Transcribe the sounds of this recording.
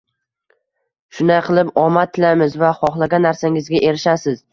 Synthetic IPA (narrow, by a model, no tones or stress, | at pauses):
ʃʊnd̪ajqʰɨlˠɪpɒmat̪ʰːɪlamɪzvaχɒχlˠaɡʲanːaɾsaŋɪzɡʲaʔe̞ɾɪʃasɪz̥